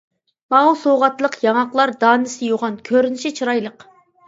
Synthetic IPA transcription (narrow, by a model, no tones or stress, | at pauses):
mɑwsoʁɑt̪lˠəqjɑŋɑqlˠɑɾd̪ɑːnɪsɪjoʁɑnkʲʰøɾynɪʃɪt͡ʃʰɨɾɑjlˠəq